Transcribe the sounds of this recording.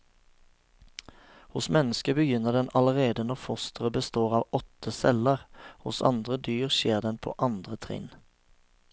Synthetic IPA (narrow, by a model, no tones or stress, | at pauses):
hʊsmɛnəskəbəjʏnəd̪ɛnɑləʁeːd̪ənɔʁfʊst̪ʰəʁəbəst̪oːʁɑːʋɔt̪əsɛləʁhʊ̰sɑ̰nd̪ʁəd̪yːʁʃeːʁd̪ɛnpʰo̰ːʔɑnd̪ʁət̪ʰʁɪ̰n